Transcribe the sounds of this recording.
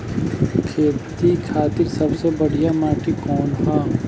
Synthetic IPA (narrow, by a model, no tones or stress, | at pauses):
kʰeːt̪ikʰaːt̪ɪɾsɐbsebɐɽ̤ijamaːʈʰikɔːnɦaː